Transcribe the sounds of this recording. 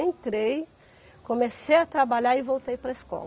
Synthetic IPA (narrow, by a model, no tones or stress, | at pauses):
ẽnt̪ɾej | komesejɐt̪ɾabaʎaɾɪvowt̪ejpɾɐɪskɔ̰l